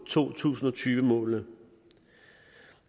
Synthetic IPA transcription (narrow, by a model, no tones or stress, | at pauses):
t͡sʰo̝̰ːt͡sʰṵːsn̩ɒ̽t͡sʰyːʋəmɔ̰̽ːlnə